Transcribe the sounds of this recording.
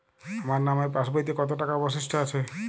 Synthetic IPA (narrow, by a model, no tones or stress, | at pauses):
amaɾnamapãsbajt̪ikɔt̪oʈakapɔs̬isʈʰaat͡ʃʰe